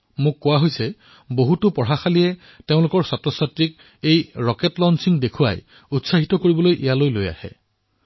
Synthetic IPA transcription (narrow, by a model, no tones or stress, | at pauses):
mʊ̃kːʊwaɦojsɛ | boɦutʊpɔɹaxaliɛ | teʊ̃lʊkɔɹsatɹɔsatɹik̚ | ejɹɔkɛtlɔnsiŋdekʰua̰j | utsaɦitɔkoɹibɔlojʔejalojloja̰hɛ̰